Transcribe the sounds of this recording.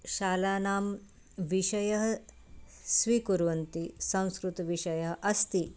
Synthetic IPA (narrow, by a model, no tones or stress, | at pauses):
ʃaːlaːnaːm | ʋiʃɐjɐɦɐ̆ | sʋikuɾʋɐnt̪isɐ̃w̃skɾut̪ʋiʃɐjɐɦɐ̆ʔɐst̪i